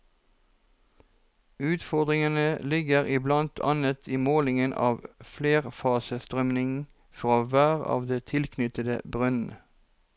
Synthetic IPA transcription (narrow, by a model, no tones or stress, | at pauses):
ʉːt̪fɔʁd̪ʁɪŋənəlɪɡəʁɪblɑnt̪ʰɑ̰nət̪ʰiːmoːlɪŋənʔɑ̰ːʋfleːʁfɑːsəst̪ʁœmnɪŋn̩ | fʁɑːʋæːʁɑ̰ːʋd̪eːt̪ʰɪlkʰnʏt̪əd̪ə̰bʁœnn̩ə